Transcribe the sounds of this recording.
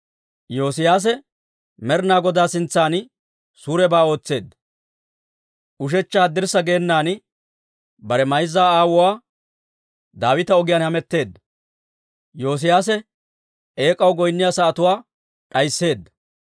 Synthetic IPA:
jo̞ːsɪjaːs̬ɛ | mɛɾnaːɡɔd̪aːsɪnt͡sːaːn | suːɾɛbaːo̞ːt͡sːe̞ːd̪ːɐ | ʔʊʃ̬ɛt͡ʃːaːd̪ɪɾsɐɡe̞ːnːaːnɪ | bɐɾɛmɐjzːaːaːwʊwaː | d̪aːwɪt̪ɐɔɡɪjaːnhɐmɛt̪ːe̞ːd̪ːɐ | jo̞ːs̬ɪjaːs̬ɛ | ʔe̞ːkʼɐwɡɔjnːɪjaːsɐɐt̪ʊwaː | ᶑʼɐjsːe̞ːd̪ːɐ

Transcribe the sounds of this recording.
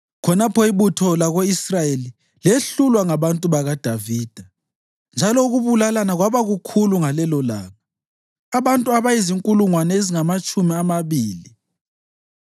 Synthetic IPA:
kʰɔnapʰɔiβutʰɔlaɣoisrajeli | leɬulwaŋaβantʼuβaɣad̥ʱaviːd̥ʱa | nd͡ʒʱalɔuɣuβulalanaɣwaβaɣukʰuluŋalɛlɔla̰ːɣa | aβantʼuaβajiziŋkʼuluŋwanɛeziŋamat͡ʃʼumiamaβiːli

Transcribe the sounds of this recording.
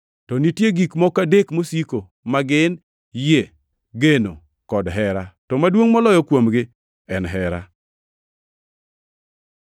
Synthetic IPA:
tɔnitjeɡikmɔkadekmosiko | maɡɪn | je | ɡeno | kɔdɦɛɾatɔmadwoŋmɔlɔjɔkwomɡɪ | ɛnɦɛɾa̰

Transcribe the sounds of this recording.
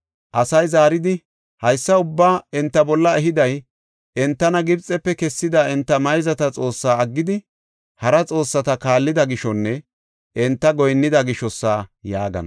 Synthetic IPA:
ʔɐsɐjzaːɾɪd̪ɪ | hɐjsːɐʊbːaːɛnt̪ːɐbɔlːɐɛɦɪd̪ɐj | ɛnt̪ːɐnɐɡɪbt͡sʼɛpːɛkɛsːɪd̪ɐɛnt̪ːɐmɐjzɐt̪ɐt͡sʼo̞ːsːaːɐɡːɪd̪ɪ | hɐɾɐt͡sʼo̞ːsːɐt̪ɐkaːlːɪd̪ɐɡɪʃɔnːɛ | ʔɛnt̪ːɐɡɔjnːɪd̪ɐɡɪʃɔsːaːjaːɡɐ̰nɐ̰

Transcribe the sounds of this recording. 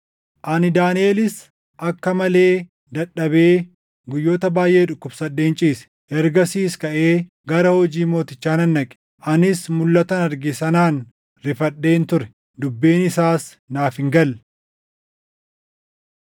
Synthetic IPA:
ʔɐnɪd̪aːneːlɪs | ʔɐkːɐmɐle̞ː | d̪ɐɗːɐbeː | ɡʊjːo̞ːt̪ɐbaːjʔe̞ːᶑʊkːʊbsɐᶑːeːnt͡ʃʼiːsɛ̥ | ʔɛɾɡɐsiːskɐʔe̞ː | ɡɐɾɐhɔd͡ʒiːmo̞ːt̪ɪt͡ʃːaːnɐnːɐkʼɛ̥ | ʔɐnɪsmʊlːɐt̪ɐnɐɾɡɪsɐnaːn | ɾɪfɐɗe̞ːnt̪ʊɾɛ̥ | d̪ʊbːe̞ːnɪsaːs | naːfɪŋɡɐl

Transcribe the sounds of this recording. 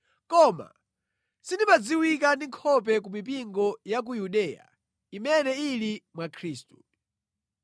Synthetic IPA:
kɔma̰ | sindimad͡ziwikandiŋkʰɔp̬ɛk̬umip̬iŋɡɔjak̬ujuɗɛːja̰ | imɛnɛilimwakʰɾiːstu

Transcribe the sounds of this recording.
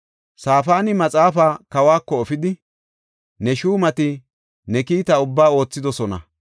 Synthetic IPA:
saːfaːnɪmɐt͡sʼaːfaːkɐwaːkːɔːfɪd̪ɪ | nɛʃuːmɐt̪ɪ | nɛkiːt̪ɐʊbːaːo̞ːt͡sːɪd̪ɔsɔnɐ̰

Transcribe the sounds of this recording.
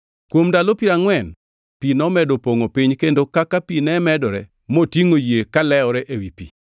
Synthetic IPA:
kwomdalopiɾaŋwɛn | pinɔmɛdopoŋopiɲkendokakapinɛmɛdɔɾɛ | motiŋojekalɛɔɾɛʔewipḭ

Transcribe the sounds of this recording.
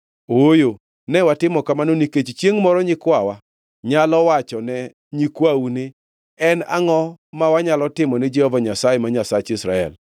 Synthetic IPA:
ojo | nɛwatɪmɔkamanoniket͡ʃt͡ʃjeŋmɔɾɔɲɪkwawa | ɲalɔwat͡ʃɔnɛ | ɲikwaunɪ | ɛna̰ŋɔmawaɲalɔtɪmɔnɛd͡ʒɛhɔvaɲasajemaɲasat͡ʃɪsɾa̰ɛ̰l

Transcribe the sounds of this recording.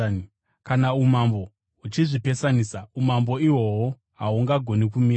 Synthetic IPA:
kanaumambo̞ | ut͡ʃiʐipe̞sanisaumambo̞iwo̞wo | ɦauŋɡaɡʱo̞nikumi

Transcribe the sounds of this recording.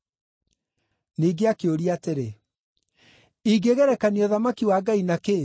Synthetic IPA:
niːɡeakeoɾiateɾe | iɡeɣɛɾɛkaniɔðamakiwaːɡainake

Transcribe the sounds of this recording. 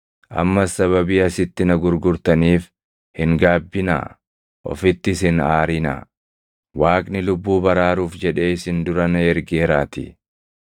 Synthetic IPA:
ʔɐ̰mːɐsɐβɐbiːɐsɪt̪ːɪnɐɡʊɾɡʊɾt̪ɐniːf | hɪŋɡaːbːɪna̰ː | ʔɔ̰fɪt̪ːɪsɪnaːɾɪnɐ̰ | waːkʼnɪlʊbːuːbɐɾaːɾuːfd͡ʒɛᶑe̞ːɪsɪnd̪ʊɾɐnɐɛɾɡeːɾaːt̪ɪ̰

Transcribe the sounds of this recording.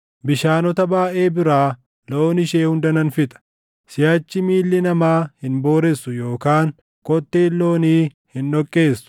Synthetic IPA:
bɪʃaːnɔt̪ɐbaːʔeːbɪɾaː | lo̞ːnɪʃeːhʊnd̪ɐnɐnfɪt̪ʼɐ̥ | sɪjɐt͡ʃːɪmiːlːɪnɐmaːhɪnbo̞ːɾɛsːʊjo̞ːkaːŋ | kɔt̪ʼːeːlːo̞ːniː | hɪnᶑɔkʼːe̞ːsʊ̥

